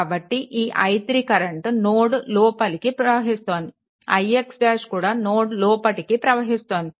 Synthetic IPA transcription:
bɐʈːiʔiːʔɐ̰jt̪ɾikɐɾɐɳʈnoːɽulɔːpɐlikipɾɐʋɐɦist̪oːnd̪i | ɐ̰jekspaːʂkuːɽaːnoːɽlɔːpɐʈikipɾɐʋɐɦist̪oːnd̪i

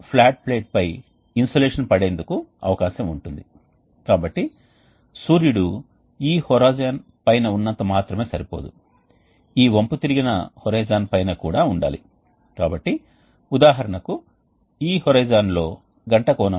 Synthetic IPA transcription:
pʰlaːʈ̚pleːʈ̚pɐj | insoleːʂɐnpɐɽe̞ːnd̪ukuɐ̰ʋɐkaːʃɐmuɳʈund̪i | kaːbɐʈːi | suːɾjuɽu | iːhɔɾaːd͡ʒaːn | pɐjnɐunːɐnt̪ɐmaːt̪ɾɐme̞ːsɐɾipoːd̪u | iːʋɐmput̪iɾiɡinɐ̰hɔɾɐjd͡ʒaːnpɐjnɐkuːɽaːuɳɖa̰ːlḭ | kaːbɐʈːi | ud̪aːɦɐɾɐɳɐku | iːhɔɾɐjd͡ʒaːnlo̞ː | ɡɐɳʈɐkɔːnɐ

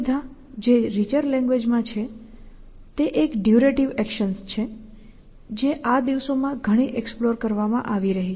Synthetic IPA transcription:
d̪ʱa | d͡ʒeɾit͡ʃəɾlɛ̃ŋɡʋed͡ʒmãt͡ʃʰe | t̪eʔekɖjuɾeʈiʋɛkʃənst͡ʃʰe | d͡ʒeʔad̪iʋsomãɡʱəɽ̃iʔeksploɾkəɾʋamãʔaʋiɾəɦi

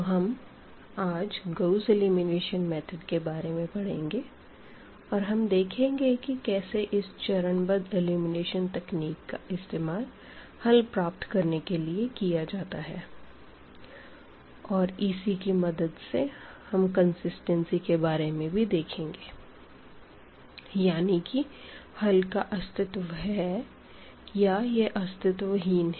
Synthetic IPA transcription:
oɦɐm | aːd͡ʒɡoʊseliːmɪneːʃənmɛːt̪ʰəɖkebaːɾemẽpɐɽ̤ẽːŋɡe | ɔːɾɦɐmd̪eːkʰẽːŋɡekikɛːseʔɪst͡ʃɐɾənbəd̪ɪluːmɪneːʃənt̪ɛkniːkːaʔɪst̪eːmaːl | hɐlpɾaːp̚t̪kɐɾnekeliekijad͡ʒaːt̪aɦɛː | ɔːɾɪsikimɐd̪əd̪sehɐmkɐ̃nsɪsʈɛ̃nsikebaːɾemẽbʱid̪eːkʰẽːŋɡeː | jaːnikihɐlkaʔɐst̪ɪt̪ʋɦɛ | jajeʔɐst̪ɪt̪ʋɐɦiːnɦ

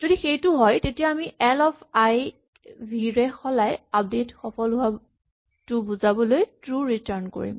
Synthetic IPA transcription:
zodixejtʊɦɔjtetijaːmiʔɛlɔpʰaj | bʱiɹɛxɔlajap̚detxɔpɔlua | tʊbuzabɔlojtɹuɹitaɹnko̰ɹḭm

